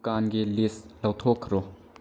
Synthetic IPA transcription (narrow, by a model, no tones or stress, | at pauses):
kaːnɡilislɐwt̪ʰɔkʰːɾɔ